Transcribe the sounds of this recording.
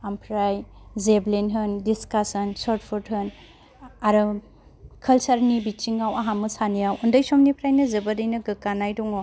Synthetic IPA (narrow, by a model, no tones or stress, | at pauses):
ampʰɾajzeblenɦɯndiskasɐnsoɾt̚pʰuɾdɦɯn | aɾɯ | kʰɐlsaɾnibit͡ʃiŋːawaɦamɯsanijawundəjsɔmnipʰɾajnɐzɐbɐdɯjnɐɡɯkanajdɔŋo